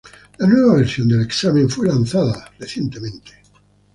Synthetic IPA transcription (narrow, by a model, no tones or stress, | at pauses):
lanweβaβeɾsjond̪eleksamẽɱfwelanθaðareθjent̪emẽnt̪e̥